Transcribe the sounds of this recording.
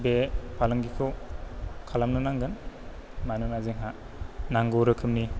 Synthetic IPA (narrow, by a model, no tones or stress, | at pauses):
bepʰalɯŋɡikʰɯ | kʰalamnɯnaŋɡɯn | manɯnaziŋɦa | naŋɡuɾɯkʰɯmni